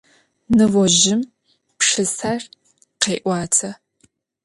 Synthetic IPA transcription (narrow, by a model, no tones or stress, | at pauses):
nɨvɔʒɪm | pʂɨsar | qeːʔʷɑːtʰɐ